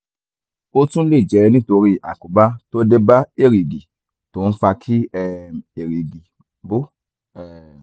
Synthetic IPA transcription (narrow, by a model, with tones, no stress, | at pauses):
o˦tũ˦le˦˨d͡ʒɛ˨˧nĩ˦to˧ɾi˦ʔa˨ku˨˦ba˦to˦de˦ba˦e˦˨ɾi˨ɡi˨ | to˨ñ̩˦fa˧kʰi˦ɛ˦˧e˨ɾi˨ɡi˨ | bo˦ | ɛ˨